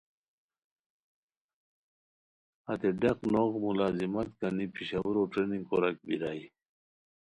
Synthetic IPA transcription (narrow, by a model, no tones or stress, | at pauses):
ɐt̪eɖeqnoɣmulaːzimɐt̪̚kɐnipiɕawuɾoʈeniŋɡkoɾɐk̚biɾaːj